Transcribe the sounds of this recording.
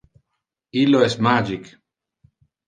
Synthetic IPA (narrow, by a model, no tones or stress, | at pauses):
iloesmad͡ʒik